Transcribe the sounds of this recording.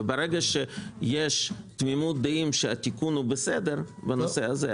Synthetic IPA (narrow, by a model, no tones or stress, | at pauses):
beɾeɡaʃejeʃt̪mimut̪̚d̪eimʃeat̪ikunhubesed̪eɾbanoseaze